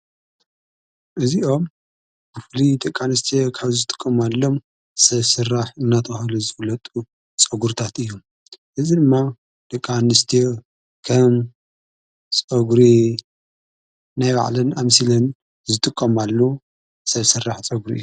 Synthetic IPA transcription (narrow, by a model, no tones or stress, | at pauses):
ʔɨziʔo̞m | bɨflid̪ʼɐkʼːanɨst̪ʰijokʰaβzɨt̪ʼɨ̥kʼːɐmalːo̞m | sɐβsɨrːaħɨnːat̪ʰɐxlizɨwlɐt̪ʼu | t͡sʼɐɡuɾt̪ʰat̪ɨjːum | ʔɨzid̪ɨmːa | d̪̥ɐkʼːanɨst̪ʰijo | kʰɐm | t͡sʼɐɡɾi | najba̰ʕlɨnamsilɐn | zɨt̪ʼɨkʼːɐmalːo | sɐβsɨrːaħt͡sʼɐɡɾḭʔɨjːu